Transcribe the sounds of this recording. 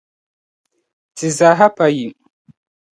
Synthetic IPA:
ti˨za˨ɦa˦pa˨ji˨

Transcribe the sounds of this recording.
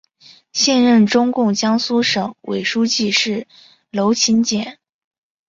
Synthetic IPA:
ɕjɛ˥˧nɻə˥˩nʈ͡ʂʊ˥ŋkʊ˥˩ŋt͡ɕjɑ˥ŋsu˥ʂɤ˨˩˦ŋwʔḛ˨˩ɪʂu˥t͡ɕi˥˧ʂɻ̩˥˩ | lo˧˥ʊt͡ɕʰi˧˥nt͡ɕjɛ˨˩˦n

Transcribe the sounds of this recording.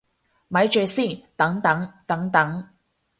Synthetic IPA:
mɐ˨˥jt͡ʃø˨˩si˥˩t̪ɐ˨˥ŋt̪ɐ˨˥ŋt̪ɐ˨˥ŋt̪ɐ˨˥ŋ

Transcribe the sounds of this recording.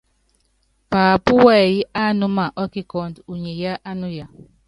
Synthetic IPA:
paː˨pu˦wɛ˦˨ji˦ʔa˦nu˦ma˨ʔɔ˦ki˦kɔ˦˨ndu˨ɲe˨ja˦ʔa˦nu˦ja˨

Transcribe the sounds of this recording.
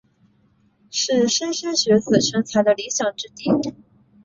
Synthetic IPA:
ʂɻ̩˥˩ʂə˥nɕə˥nɕɥɛ˧˥sɹ̩˨˩ʂə˥ŋt͡sʰa˧˥ɪd̪ə˧li˧˥ɕjɑ˨˩ŋʈ͡ʂɻ̩˥t̪i˥˩

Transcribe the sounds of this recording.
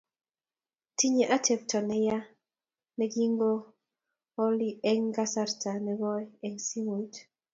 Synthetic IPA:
ti˦ɲe˨ʔa˦tʰɛ˨p̚tʰɔ˨nɛ˨ja˦ | nɛ˨ɡi˦ŋɡo˦ | o˦li˦ɛ˦ŋɡa˦sa˦ɾtʰa˨nɛ˨βɔ˦ɛ˦ɛ˦ŋsi˦mu˨t

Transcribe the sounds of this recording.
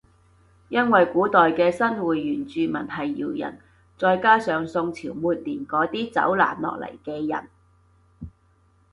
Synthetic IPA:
jɐ˥nwɐ˨jkuː˨˥t̪ɔː˨jkɛː˧sɐ˥nwuː˨˥jːyː˨˩nt͡syː˧mɐ˨˩nhɐ˨jːḭː˨˩wjɐ̰˨˩n | t͡sɔː˧jkaː˥sœː˨˧ŋsʊ˧ŋt͡sʰiː˨˩wmuː˨t̚liː˨˩nkɔː˨˥t̪iː˥t͡sɐ̰˨˥wla̰ː˨˩nlɔ̰ː˨k̚lɐ̰˨˩jkɛː˧jɐ̰˨˩n

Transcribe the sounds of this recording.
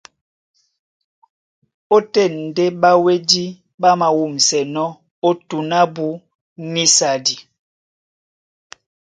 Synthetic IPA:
o˦tɛ˦˨n̩˨de˦ɓa˦we˦di˦ | ba˦ma˨wu˦˨m˨sɛ˨nɔ˦ | o˦tu˨na˦bu˦ | ni˦sa˨di˨

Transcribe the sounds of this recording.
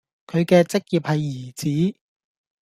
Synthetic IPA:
kʰɵ˨˧ɥkɛː˧t͡sɪ˥k̚jiː˨p̚hɐ˨jːiː˨˩t͡siː˨˥

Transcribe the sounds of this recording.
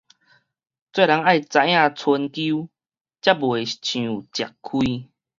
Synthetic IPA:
t͡swe˥˧˨la˧˦ŋa˥˨jt͡sa˧j̃ã˥˧˨t͡sʰwə˧nku˦ | t͡ɕja˦bwe˨˩t͡ɕʰũ˨˩t͡ɕja˨˩kkʰwi˧

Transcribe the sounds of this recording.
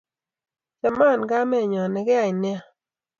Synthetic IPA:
t͡ʃa˨ma˦˨nɡa˦mɛ˦˨ɲɔ˨nɛ˨ɡɪ˦a˦˨ɪ˨nɪ˦a˦˨

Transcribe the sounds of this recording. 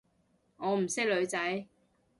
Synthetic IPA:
ŋɔː˨˧m̩˨˩sɪ˥k̚lɵ˨˧ɥt͡sɐ˨˥j

